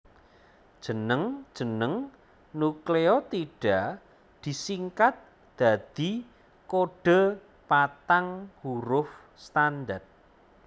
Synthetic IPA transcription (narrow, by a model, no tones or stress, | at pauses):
d̥ʒ̥ə̤nəŋd̥ʒ̥ə̤nəŋ | nukleɔt̪iɖ̥a | d̪̥i̤siŋkat̪̚ | d̪̥a̤d̪̥i̤ | koɖ̥ə̤ | pat̪aŋhuɾʊf | st̪and̪art̪̚